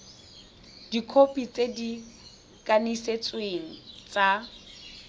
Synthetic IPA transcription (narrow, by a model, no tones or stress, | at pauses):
d̥ikʰopʼit͡sʼedi | kʼaniset͡sʼweŋ̩t͡sʼa